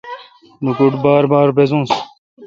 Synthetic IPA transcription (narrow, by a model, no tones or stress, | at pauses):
nukuʈbaːɾbaːɾbezũːs